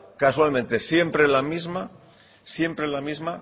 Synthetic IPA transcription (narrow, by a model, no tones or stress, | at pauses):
kaswalmẽnt̪esje̞mpɾelamizma | sje̞mpɾelamizma